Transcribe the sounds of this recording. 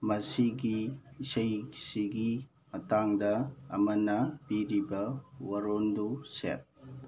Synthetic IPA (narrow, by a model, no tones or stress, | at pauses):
mɐsiɡisɐjsiɡi | mɐtaŋdɐːmɐnɐpiɾibɐwɐɾondusḛp̚